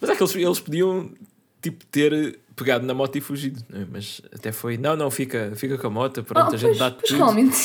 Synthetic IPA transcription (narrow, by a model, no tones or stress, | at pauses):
mɐzɛkelˠʃelˠʃpuðiɐ̃w̃ | t̪ipu̥t̪eɾpɨɣaðunɐmɔt̪ɐifuʒiðunɐ̰̃w̃ɛmɐzɐ̰t̪ɛfojnɐ̃w̃nɐ̃w̃fikɐfikɐkõɐmɔt̪ɐpɾõɐʒẽt̪d̪aðuʁialˠmẽnt̪